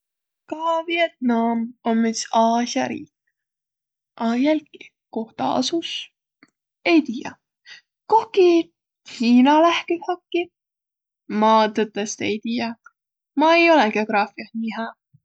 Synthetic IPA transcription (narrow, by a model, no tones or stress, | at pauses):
kɑviet̪̚nɑmomːisɑːsjɑɾḭːk | ʔɑjælʲki | ko̞ht̪ɑ̰ɑ̰sus | ejt̪iːjɑ̰ | kohki | hiːnɑlæhkihɑkːi | mɑːt̪ɤt̪ːest̪ejt̪iːjɑ | mɑejo̞lɛke̞oɡ̥ɾɑːfiɑsniɦæ